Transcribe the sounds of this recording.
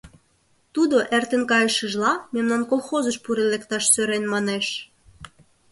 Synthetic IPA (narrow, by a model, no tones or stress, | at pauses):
t̪ud̪oʔert̪ə̆nkɑjəʃə̆ʒlɑmemnɑnkolxozəʃpuɾelekt̪ɑʃsøɾenmɑneʃ